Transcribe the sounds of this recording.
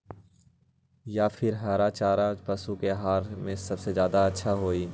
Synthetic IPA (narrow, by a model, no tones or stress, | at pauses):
jaːfʰɪɾɦaːɾat͡ʃaːɾapɐsukeɦaːɾmẽsɐbsezjaːd̪aɐtːʃʰaɦoːiː